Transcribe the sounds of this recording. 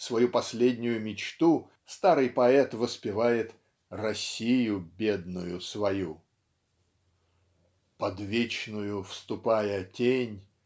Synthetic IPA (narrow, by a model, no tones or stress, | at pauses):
svɐjupɐsʲlʲedʲnʲʊjʊmʲɪt͡ɕt̪u | st̪aɾɨjpɐɛt̪vəspʲɪvajɪt̪ | rɐsʲijʊbʲed̪nʊjʊsvɐju | pɐd̪vʲet͡ɕnʊjʊfst̪ʊpajətʲenʲ